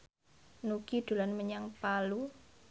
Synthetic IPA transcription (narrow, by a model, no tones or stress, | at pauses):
nukid̪̥ṳlanməɲaŋpalu